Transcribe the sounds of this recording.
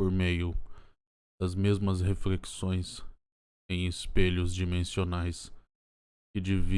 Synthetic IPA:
oɾmejʊ | d̪̥ɐzmezmɐzhefleksõj̃s | ẽj̃ɪspeʎʊzd͡ʒimẽsionajs | kɪd͡ʒivi

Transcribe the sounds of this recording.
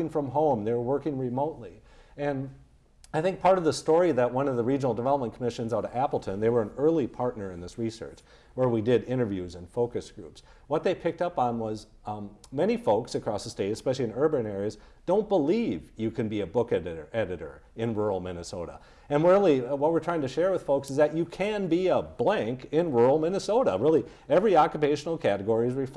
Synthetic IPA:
ɪ̃ŋfɹʌ̃mɦõʊ̃mðeɪwə˞wɜ˞kɪ̃ŋɹɨmoʊtˡliɨ̃n | aɪθɪ̃ŋk̚pʰɑɹɾʌvðəstɔɹiðɨt̚wʌ̃nʌvðəɹid͡ʒənl̩ˠdəvɛlˠəp̚mə̃nkʰəmɪʃɨ̃nzaʊɾəæpl̩ˠtʰɨ̃nðeɪwə˞ɨ̃nɜ˞lˠipʰɑɹtⁿnə˞ɨ̃nðɪsɹisɜ̰˞t͡ʃ | wə˞widɪɾɪ̃ɾ̃ə˞vjʉzɨ̃nfoʊkɨsɡ̥ɹʉ̰ps | wʌt̪̚ðeɪpʰɪk̚tʌpn̩wʌz | mɛɾ̃ifoʊksɨkʰɹ̥ɔsðəsteɪɾɨspɛʃl̩ˠiɨ̃nɜ˞bɨ̃nɛɹiɨzd̥õʊ̃nb̥əlivjɨkʰɨ̃nbiɨbʊkɛɾɨə˞ʔɛɾɨɾə̰˞ | ɨ̃nɹuɹl̩ˠmɪnɨsoʊɾə̰ | ɨ̃nwə˞lˠiwʌt̚wɨɹtʰaɪɪ̃ŋtʰɨʃɛɹwəð̥foʊksɨzðɨt͡ʃɨkʰɨ̃nbiəblæ̃ŋkɪ̃nɹuɹl̩ˠmɪnɨsoʊɾəɹɪlˠi | ɛvɹiɑkjɨpeɪʃn̩l̩ˠkʰæɾɨɡɔɹiɨzɹif

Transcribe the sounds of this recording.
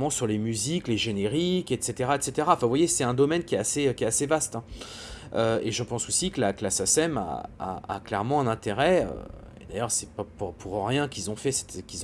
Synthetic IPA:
mɑ̃syʁlemyzikleʒeneʁikɛt̪set̪eʁaɛt̪set̪eʁaɑ̃fɛ̃vwajesɛt̪ɛ̃d̪ɔmɛnkʲiɛt̪aseøkʲɛt̪asevast̪ɛ̃ | øeʒəpɑ̃sosikəlaklasasɛma̰a̰ːklɛʁmɑ̃ɛ̃nɛ̃t̪eʁɛø̰ | ḛd̪ajœʁsɛpapuʁpʰuʁʁjɛ̃kʲilzɔ̃fɛsɛ̥t̪kʲiz

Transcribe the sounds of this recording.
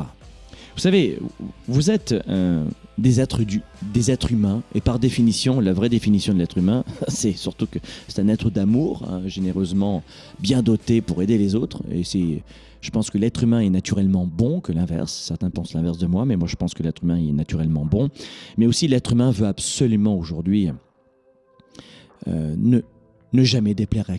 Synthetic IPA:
avusavevuzɛt̪ø̰d̪ezɛt̪χəd̪yd̪ezɛt̪χymɛ̃epaʁd̪efinisjɔ̃lavʁɛd̪efinisjɔ̃d̪əlɛt̪χymɛ̃sɛsyʁt̪ukəsɛ̥t̪ɛ̃nɛt̪χəd̪amuʁɛ̰̃ʒeneʁøzmɑ̃ | bjɛ̃d̪ot̪epuʁed̪elezot̪χḛsɛ | ʒ̥əpɑ̃skəlɛt̪χymɛ̃ɛnat̪yʁɛlmɑ̃bɔ̃kəlɛ̃vɛ̰ʁsːɛʁt̪ɛ̃pɑ̃slɛ̃vɛʁs̬d̪əmwamɛmwaʒəpɑ̃skəlɛt̪χymɛ̃ɛnat̪yʁɛlmɑ̃bɔ̃mɛosilɛt̪χymɛ̃vøabsɔlymɑ̃oʒuʁd̪ɥi | ø̰nə | nəʒamɛd̪eplɛʁ

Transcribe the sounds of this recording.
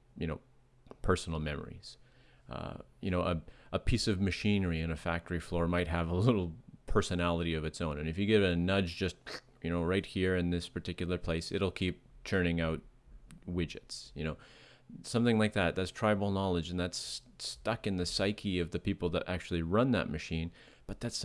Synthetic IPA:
jɨñoʊ | pʰɜ˞sn̩l̩ˠmɛmə̰˞ḭz̥ | ʌ̰jɨñoʊʔəʔəpʰisʌvmɨʃĩnə˞iɨ̃nɨfæ̰k̚tə˞iflɔɹmaɪt̚ɦəvəlɪɾl̩ˠpʰɜ˞sɨnælˠəɾiʌvɨtsõʊ̃nɨ̃nɨfjɨɡɪvɨɨnʌd͡ʒd͡ʒʌst̚ | jɨñoʊɹaɪt̚hiɹɨ̃nðɪspʰə˞tʰɪkjl̩ˠə˞pʰl̥eɪsɨɾl̩ˠkʰip̚tʰɜ̃˞nɪ̃ŋaʊt̚wɪd͡ʒɨ̰tsjɨnoʊ | sʌ̃mθɪ̃ŋlaɪk̚ðæt̪̚ðætstʰɹ̥aɪbl̩ˠnɑlˠəd͡ʒɨ̃n̩ðæts | tʌkɨ̃nðɨsaɪkʰiʌvðɨpipl̩ˠðəɾʔæ̰k̚t͡ʃʉl̩ˠiɹʌ̃nðə̰t̚mɨʃĩn | b̥ʌt̪̚ðæts

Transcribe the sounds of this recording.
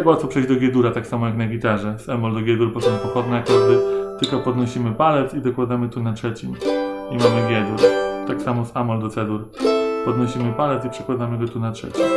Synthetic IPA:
akwat̪fɔpʂɛjʑd͡ʑd̪ɔɡʲjɛd̪uɾat̪aksamɔjaknaɡʲit̪aʐɛsamɔld̪ɔɡʲjɛd̪uɾbɔsɔ̃w̃pɔxɔd̪nɛakɔd̪ɘt̪ɘlkɔpɔd̪nɔɕimɘpalɛt̪sid̪ɔkwad̪amɘt̪unatʂɛt͡ɕimimamɘɡʲjɛd̪uɾt̪aksamɔzamɔld̪ɔt̪sɛd̪uɾpɔd̪nɔɕimɘpalɛt̪sipʂɛ̥kwad̪amɘɡɔt̪unatʂɛ̰t͡ɕi

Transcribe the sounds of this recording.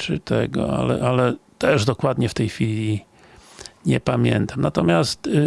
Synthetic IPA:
t͡ʂɨt̪ʰɛɡɔ̰a̰lɛ̰ʔalɛt̪ɛʐd̪ɔkwad̪ɲɛft̪ɛjxfʲilʲi | ɲɛ̰pamʲjɛnt̪amnat̪ɔmʲjast̪

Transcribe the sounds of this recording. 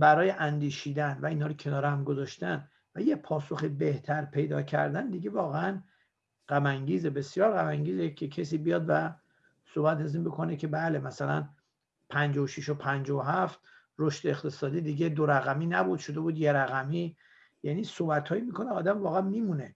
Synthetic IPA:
bæɾɒːjeʔænd̪iːʃiːd̪ænvæinhɒːɾocʰe̞nɒːɾehæmɡozɒʃt̪æn | væjepʰɒːso̞xibe̞ht̪ʰæɾpʰe̞jd̪ɒ̰ːcʰæ̰ɾd̪ænd̪iɡe̞vɒːɣeæn | ɢæmæŋɟiːzebe̞sjɒːɾɣæmæŋɟiːzecʰecʰesiːbijɒːd̪væ | sobæt̪æziːnbo̞kʰo̞necʰe̞bæːle̞mæsælæ̰n | pʰænd͡ʒɒːoʃiʃopʰænd͡ʒɒoɦæft̪ | roʃt̪eext̪ʰe̞sɒːd̪iːd̪iɟed̪oɾæɣæmiːnæbud̪̥ʃo̞d̪e̞buːd̪jeɾæɣæmiː | jæniːsobæt̪ʰhɒːjimiːkʰo̞neɒːd̪æmvɒːɣeæmːiːmune

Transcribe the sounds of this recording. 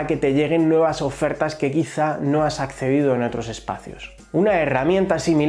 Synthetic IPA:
ke̞t̪e̞ʝe̞ɣ̞e̞nːwe̞βaso̞fe̞ɾt̪aske̞kiθano̞asakθe̞ð̞ið̞oe̞no̞t̪ɾo̞se̞spa̰θjo̞̰s | unae̞ramjẽ̞nt̪asimil

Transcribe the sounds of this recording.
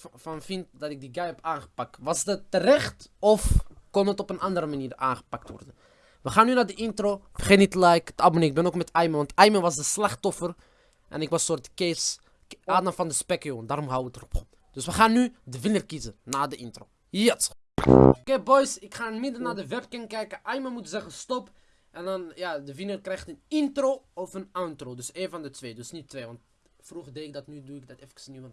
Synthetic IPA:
fɑnfintdɑtɪk̚diɡajɛpaːnχə̥pɑk̚tʋɑsdətːərɛχtɔfkɔnətɔpənʔɑndəɾəmaniːra̰ːnχə̥pɑk̚tʋɔ̰rdə | ʋəχaːnynaːdəʔɪntroːfəχeːtnitlɛjkdəɑboneːɪɡ̚bɛnokmɛtɛjməʋɑntɛjməʋɑsdəslɑχtɔfər | ʔɛ̰nɪkʋɑsoːrtkes | ʔaːdəfɑndəspɛkjondaːɾɔmɦɑwəʋətərɔpχɔp | d̥øsʋəχaːnːydəvɪnərkizənaːdəʔɪntroː | jət | kebɔjsɪkχaːənmɪdənaːdəʋɛpkɛnkɛjkəʔɑjməmutzɛχənstɔp | ɛndɑnjaːdəvɪnərkrɛjχtənɪntroɔfənantroːdʏseːnvɑndətʋeːdøsnitʋeːʋɑnt | fruχərdeɪk̚dɑtnyduɪk̚dɑtɛfkə̥snyn

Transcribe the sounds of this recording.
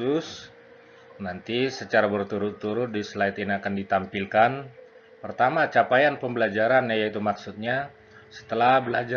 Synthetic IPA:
ʊs | nant̪isət͡ʃaɾabərt̪uɾʊt̪ːuɾʊt̪̚disəlait̪iniakandit̪ampilkan | pərt̪amat͡ʃapajanpəmbəlad͡ʒaɾanjajait̪umaksut̪̚ɲa | sə̥t̪əlahbəlad͡ʒa

